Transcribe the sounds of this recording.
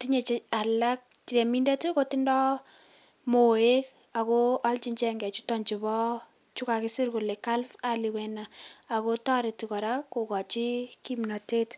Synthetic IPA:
ti˦ɲe˨t͡ʃea˨la˦k̚ti˨ɾe˨mi˦nde˦ti˦ko˦ti˦ndɔ˦ | mo˨e˦k | a˨ko˦a˦lt͡ʃi˦ɲt͡ʃɛŋɡɛ˨t͡ʃu˦tɔ˨ɲd͡ʒi˨bɔ˦ | t͡ʃu˦ka˨kɪ˦si˦rku˨le˨ka˦lfa˨li˨wɛ˨naː˨ko˦tɔ˦ɾe˨ti˨kɔ˨ɾa˦ku˨kɔ˨t͡ʃi˦ki˦mnɔ˨te˦t

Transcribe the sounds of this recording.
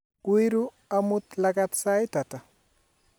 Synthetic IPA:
wi˦ɾu˦ | a˦mu˦t̪laɡa˦tsa˦jta˨ta˨

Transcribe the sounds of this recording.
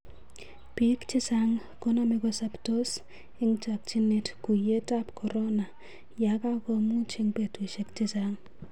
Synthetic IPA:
pi˦kt͡ʃɪ˦saŋ | ko˦na˦mɪ˦kɔsapto˦s | ɪ˦ŋt͡ʃa˨k̚t͡ʃɪ˦ne˦tku˨je˦ta˦pkʰɔ˨ɾɔ˦na˨ | ja˨ka˦ko˨mu˦t͡ʃɪ˦ŋpe˨tu˨ʃe˦kt͡ʃɪ˦saŋ

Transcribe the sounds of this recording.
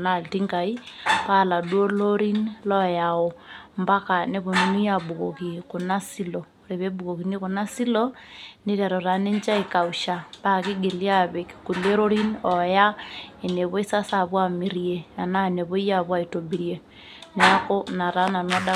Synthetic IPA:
na˨lti˦ŋɡa˨i˦pa˦˨la˨dwo˦lo˦ɾi˦nlɔ˦ja˨o˨mba˦ka˨ne˦βo˨nu˦nu˦ja˦˨bu˨ɣo̰˨ki˨ko˨na˦si˦lɔ˨ | ɾe˨βe˦bu˨ɣo˨ɣi˨ne˦ko˨na˦si˦lɔ˦ne˦ɾa˨ɾɔ˨ɾa˨ne˦ɲt͡ʃa˦e˨ka˨u˨ʃa˨pa˦ki˦ɡe˨li˦a˦βe˨kku˨le˦ɾo˦ɾi˦nɔ˨ja˦e˨ne˨βo˦i˦sa˦sa˨βwa˦mi˨ɾie˨a˨na˦˨ne˨βo˦i˦ja˦βwa˨i˨to˨bi˨ɾje˨ | ne˨a˦ko˦na˨ɾa˦na˨na˦da˦

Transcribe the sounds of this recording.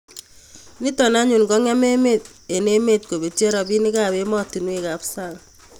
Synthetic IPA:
ni˦tɔ˨na˦ɲu˨nɡɔ˦ŋ˦a˦me˦me˦˨t | e˨ne˦me˦˨t̚ko˨be˨te˦ɾa˨bi˦ni˦ka˨be˦mɔ˦ti˨nwe˦ka˨psa˦ɣ

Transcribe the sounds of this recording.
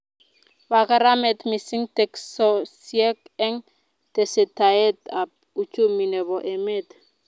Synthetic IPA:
ba˨ka˦ɾa˦mɛ˨t̪mi˨si˦ŋtɛ˨ksɔ˨siɛ˦kɛ˦ŋ | tɛ˨sɛ˨ta˨ɛ˦ta˨p̚u˨t͡ʃo˦mi˨nɛ˨βɔ˨ʔɛ˨me˦t̪

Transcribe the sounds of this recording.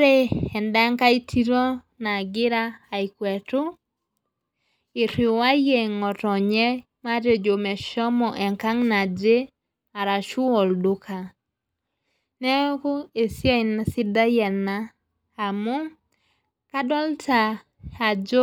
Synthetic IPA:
ɾe˦ɛ˨nda˦ŋka˦i˦tʰi˦ɾɔ˦ | na˨ɡɪ˦ɾaː˦˨i˨kwɛ˨tʊ˦ | ɪ˨ɾi˨wa˦je˨ŋɔ˨tɔ˨ɲɛ˦ | ma˦ɾjo˨d͡ʒo˨mɛ˨ʃɔ˦mɔ˨ʔɛ˨ŋka˦ŋna˨d͡ʒe˦ | a˨ɾa˨ʃu˦ɔ˨ldu˦ka˨ | nɛ˦ko˦e˨sja˦i˨na˨sɪ˦da˦jɛ˨naː˦˨ | mu˦ | ka˦dɔ˦lta˨ | a˨d͡ʒo˦

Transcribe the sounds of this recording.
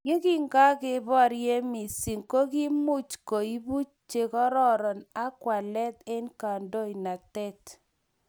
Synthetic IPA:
ɡe˦ki˦ŋɡa˦kɪ˦bɔ˦˨ɾje˦mi˨si˨ŋko˦ki˦mu˦t͡ʃko˨i˦bu˦t͡ʃt͡ʃe˦kɔ˦ɾɔ˦ɾɔ˨na˦kwa˨lɛ˦t̪e˦nka˨ndo˦i˨na˨tɛ˦t

